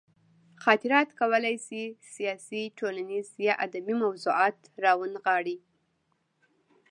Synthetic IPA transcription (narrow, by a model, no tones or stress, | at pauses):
xɑt̪ɪɾɑt̪kawəlajsisijɑsiʈʰolanizjɑʔad̪amimawzuɑt̪ɾɑwənɣɑɽi